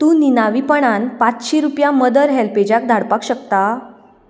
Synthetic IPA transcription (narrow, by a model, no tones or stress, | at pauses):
t̪ũːninaʋipəɳanpat͡sɕiɾupjaməd̪əɾɦɛlped͡ʑak̚d̪ʱaɽpakɕəkt̪a